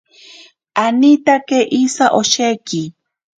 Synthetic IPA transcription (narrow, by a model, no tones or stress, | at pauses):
anit̪akeʔisaʔoʃeki